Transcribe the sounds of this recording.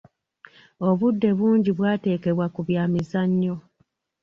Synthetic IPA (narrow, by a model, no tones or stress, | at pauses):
o̞βudːe̞βuːɲɟiβwaːte̞ːke̞βwakuβjaːmizaɲːo